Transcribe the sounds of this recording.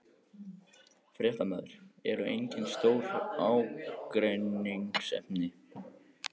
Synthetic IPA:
fɾɛht̪amœðɾ̥ɛ̰ɾʏejɲcɪnst̪oːwɾawkɾejniŋsɛ̰mnɪ

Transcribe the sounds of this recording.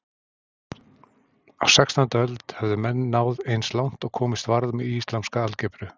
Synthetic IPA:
awsɛkst̪ɔnt̪aœlt̪hɛvðʏmɛnːaːwðejnslawn̥t̪ɔɣkʰɔːmɪst̪vaɾðmɛðist̪lamskaalcɛpɾʏ

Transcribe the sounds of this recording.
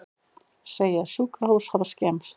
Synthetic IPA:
seːjɪaðsuːkahuwshaðascɛms

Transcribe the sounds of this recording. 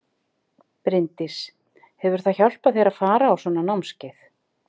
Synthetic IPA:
pɾɪnt̪ɪs | hɛvʏɾ̥θaðçawl̥paðθejɾaðfaːɾaːwsɔːnanawmscɪθ

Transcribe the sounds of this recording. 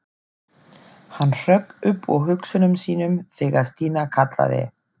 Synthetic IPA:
hanːr̥œkʏpːɔɣɦʏksʏnʏmsiːnʏmθɛːɣaɾst̪iːnakʰat̪la̰ðɪ̰

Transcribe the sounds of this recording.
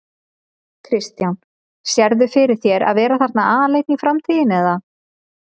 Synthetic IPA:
kʰɾɪst̪jawn | sjɛɾðʏfɪɾɪɾ̥θjɛɾa̰ðvɛːɾaθaɾ̥t̪naaːðaleːjt̪nifɾamt̪ʰiːðɪnɛða

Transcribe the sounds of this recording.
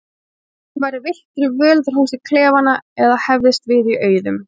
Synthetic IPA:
vajɾɪvɪl̥t̪ɾʏvœːlðɾ̥huːsɪkʰlɛːvanːaɛðahɛvðɪst̪vɪðiʔœːɥðʏm

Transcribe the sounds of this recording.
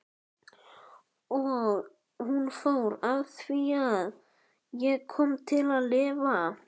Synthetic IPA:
ɔɣ | hunfowɾawθviað | jɛɣkʰɔmt̪ʰɪlaðlɪːva

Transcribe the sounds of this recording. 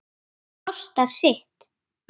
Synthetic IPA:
ɔst̪aɾ̥sɪht̪

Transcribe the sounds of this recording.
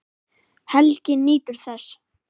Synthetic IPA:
hɛlcɪnːiːt̪ʏɾ̥θɛs

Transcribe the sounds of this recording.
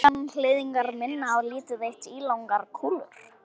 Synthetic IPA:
anl̥ɪːðiŋkaɾmɪnːaːwliːt̪ʏðejht̪iːlawŋkaɾkʰulʏ̰ɾ̥

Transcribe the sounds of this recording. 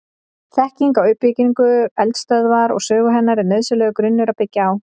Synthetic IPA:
θɛhciŋkawʏhpːɪciŋkʏɛlt̪st̪œðvaɾɔ̰ɣsœːɣʏɦɛnːaɾɪnœðsʏlɛːɣʏkɾʏnːʏɾawpɪcːaaw

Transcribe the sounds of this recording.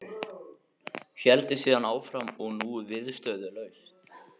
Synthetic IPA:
çɛlt̪ɪsiːðanaːwfɾamɔɣnuvɪðst̪œɥðʏlœːɥs

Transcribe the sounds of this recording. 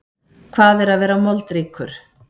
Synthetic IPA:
kʰvaːðɛɾaðvɛːɾamɔlt̪ɾiːkʰʏɾ̥

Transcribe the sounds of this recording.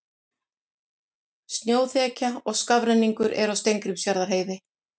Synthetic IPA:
st̪njoːwθɛːcaɔɣskavɾɛnːiŋkʏɾʔɛ̰ɾawst̪ejŋkɾɪmsjaɾðaɾɦeːjðɪ

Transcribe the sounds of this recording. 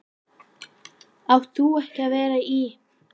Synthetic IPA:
avθuɛhcɪaðvɛːɾai

